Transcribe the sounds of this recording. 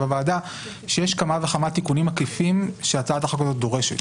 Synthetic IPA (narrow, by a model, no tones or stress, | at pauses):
avaːda | ʃejeʃkamaveχamat̪ikunimakifimʃeat͡sataχakozot̪̚d̪o̞ʁe̞ʃet